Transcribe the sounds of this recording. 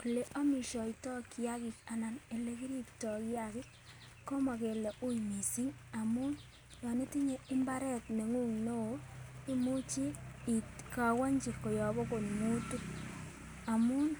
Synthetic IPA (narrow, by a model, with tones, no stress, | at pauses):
ku˨le˦ʔa˦mi˨ʃɔ˨itɔ˦ki˨ja˦ki˨ka˨na˨ne˨le˦ki˦ɾi˦ptɔ˨ki˦jakɪ˦k | kːo˦ma˨ke˨le˨ʔu˦imi˨si˦ŋa˨mu˦n | jɔ˨ni˦ti˦ɲe˨ɪ˦mba˦ɾɛ˦tne˨ŋu˦ŋno˦i˦mu˦t͡ʃi˦i˨tka˨wa˦ɲd͡ʒi˨kːo˨jɔ˨bo˦ko˨nmu˦tu˦k | a˨mu˦n